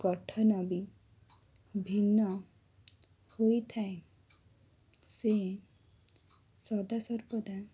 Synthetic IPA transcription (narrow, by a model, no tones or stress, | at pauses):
ɡ̥ɔʈʰɔnɔbi | bʱinːɔ | hojt̪ʰae | se | sɔd̪asɔɾbɔd̪a